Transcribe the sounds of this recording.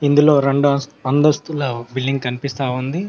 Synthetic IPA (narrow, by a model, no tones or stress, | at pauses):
ind̪ulo̞ːɾeɳɖuɐsɐnd̪ɐst̪ulɐːbilɖiŋɡkɐnipist̪aːund̪i